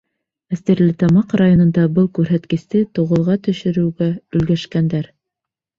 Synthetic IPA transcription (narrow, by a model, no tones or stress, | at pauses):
æst̪eɾlɘt̪ɑmɑqrajonɤ̆nd̪ɑbɤlˠkʉɾɦæt̪kɘ̆st̪ɘt̪ŏʁŏlˠʁɑt̪ɵ̆ʃɘ̆ɾɘ̆wɡæɵ̆lɡæʃkænd̪æɾ